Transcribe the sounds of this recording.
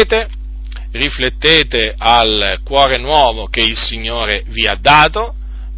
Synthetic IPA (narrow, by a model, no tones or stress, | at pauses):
t̪e | riflet̪ːeːt̪eʔalkwɔːɾenwɔːvokeilsiɲːoːɾeviad̪ːaːt̪o